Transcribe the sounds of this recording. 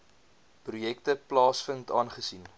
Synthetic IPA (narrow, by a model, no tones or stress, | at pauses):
prujɛktəplɑːsfəntɑːnχəsin